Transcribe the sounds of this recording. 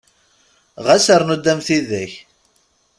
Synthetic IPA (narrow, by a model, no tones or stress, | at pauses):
ʁæsəɾˤnud̪ːæmθiðæç